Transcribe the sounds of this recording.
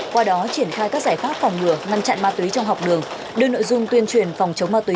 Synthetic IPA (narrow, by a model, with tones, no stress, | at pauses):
kwaː˧ɗɔ˨˦t͡ɕi˧˩ənxaː˧jkaː˦˥k̚zaː˧˩jfaː˦˥p̚fɔ˨˩wŋ͡mŋɨ˧˩əŋa˧nt͡ɕa̰˧˨nmaː˧t̪wi˨˦jt͡ɕɔ˧wŋ͡mɦa˨˩wk͡p̚ɗɨ˨˩əŋ | ɗɨ˧əno̰˧˨jzʊ˧ŋ͡mt̪wi˧ənt͡ɕwi˨˩ənfa˨˩wŋ͡mt͡ɕə˨˦wŋ͡mmaː˧t̪wi˨˦